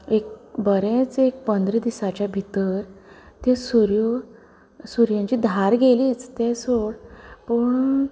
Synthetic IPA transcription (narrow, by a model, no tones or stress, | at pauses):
ekbəɾẽt͡sek̚pənd̪ɾid̪isat͡ɕabʱit̪əɾ | t̪ẽsuɾjo | suɾjãɲt͡ɕiːd̪ʱaɾɡeliːt͡st̪esoɽpəɳ